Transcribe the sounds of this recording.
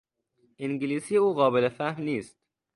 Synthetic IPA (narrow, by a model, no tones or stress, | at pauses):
ʔiŋɟiliːsiːeuːɣɒːbelefæhmniːst̪